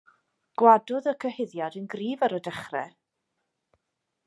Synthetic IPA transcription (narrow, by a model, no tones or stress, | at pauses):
ɡ̥wadʊðəkʰəhɪðjadənɡriːvaɾədəχrɛ̰